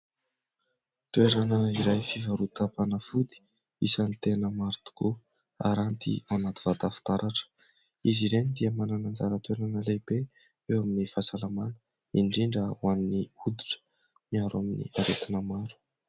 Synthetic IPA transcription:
t̪weɾanəiɾajfivaɾut̪apanəfud̪i̥ | ḭsanit̪enəmaɾt̪u̥ko | a̰ɾant̪ḭanat̪ivad̪afi̥t̪aɾaʈ͡ʂə̥ | iziɾenid̪iəmananand͡zaɾət̪weɾanəlebe | ewaminifasalamanə̥ | iɳɖ͡ʐiɳɖ͡ʐawanniud̪u̥ʈ͡ʂə̥ | miaɾaminḭaɾet̪inəmaɾu̥

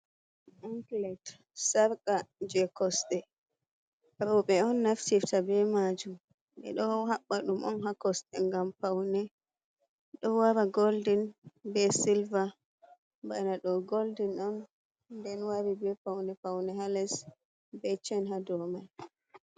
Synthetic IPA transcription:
ʔaŋklɛt | saɾkad͡ʒɛkɔsɗɛ | ɾɔɓɛɔnːaftiftabɛmad͡ʒum | ɓɛ̰ɗɔhaɓːaɗumʔɔ̰nɦakɔsɗɛŋɡampawnɛ | ɗɔwaɾaɡoldinbɛsilva | banaɗɔɡoldinɔn | ndɛnwaɾibɛpawnɛpawnɛɦalɛs | bɛt͡ʃɛnɦadɔman

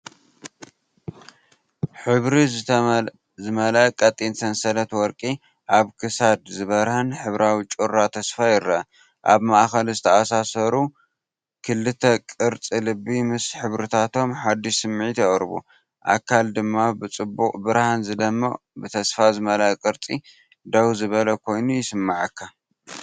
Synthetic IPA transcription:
ħɨβɾizɨ | zɨmɐlɐkʼɐt̪ʼinsʰɐnsɐlɐt̪wɔɾkʼi | ʔaβkʰɨsad̪zɨβɐɾhɐnħɨβɾawit͡ʃʼuɾːat̪ʰɐsfajɪɾɐɐ | ʔaβmaʔxɐlzɨt̪ʰɐasasɐɾu | kʰɨlːɨt̪ʰɐkʼɨɾt͡sʼilɨbimɨsħɨβɾɨt̪ʰat̪ʰo̞mħad̪ːisɨmːʕit̪jɐχʼɾɨbṵ | ʔa̰kʰald̪ɨmːabɨt͡sʼɨbːukʼbɨɾhanzɨd̪ɐmːɐ | bɨt̪ʰɐsfazɨmɐlaʔkʼɨɾt͡sʼi | d̪ɐwzɨβɐlɐkʰo̞jnujɪsɨmːaʕɨkʰːa

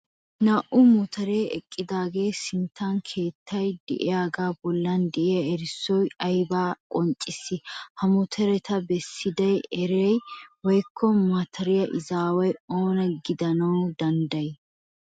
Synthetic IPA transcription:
naʔʊmʊt̪ʰɐɾeːɛkʼːɪd̪aːɡe̞ːsɪnt̪ːankʰe̞ːt̪ʰːɐjd̪ɛ̰ʔɪ̰jaːɡaːbɔlːɐnd̪ɛʔɪjɐɛɾɪsːɔjɐjbaːkʼɔnt͡ʃʼːɪsːɪhɐmʊt̪ʰɛɾɛt̪ʰɐbɛsːɪd̪ɐjɛɾejwɔjkʰːɔmɐt̪ʰɐɾɪjɐʔɪzaːwɐjoːnɐɡɪd̪ɐnɐwd̪ɐnd̪ɐj

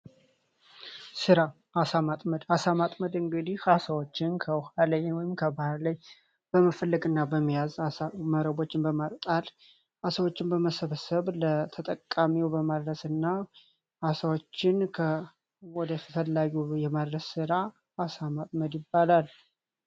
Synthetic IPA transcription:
sɨɾa | ʔasamat̪ʼməd̪asamat̪ʼməd̪ɨŋɡɨd̪ihasəwot͡ʃːɪnkʰəhalajwɔjɪmkʰəbahaɾlaj | b̥əmafəlːəɡɨnːabəmːijazaaməɾəbo̞t͡ʃːɪnbəmat̪ʼt̪ʼal | ʔasəwo̞t͡ʃːɪnbəməsəβəsəβlət̪ʰət̪ʼəkʼːamiwbəmad̪ɾəsɨnːa | asawot͡ʃːɪnkʰə | wɔd̪əfəfəlːaɡujɛmad̪ɾəsːɨɾaː | samat̪ʼməd̪jɪbːalal

